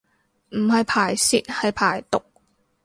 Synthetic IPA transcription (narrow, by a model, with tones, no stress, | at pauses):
m̩˨˩hɐ˨˧jpʰaː˨˩jsḭː˨t̚hɐ˨jpʰaː˨˩jt̪ʊ˨k̚